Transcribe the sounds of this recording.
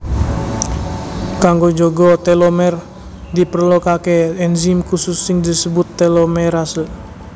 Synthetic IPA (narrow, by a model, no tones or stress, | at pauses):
kaŋɡod͡ʒoɡɔt̪elomɛr | d̪ipərlokakeɛnzimkusʊsːɪŋd̪isəbʊt̪ːelomɛɾasəl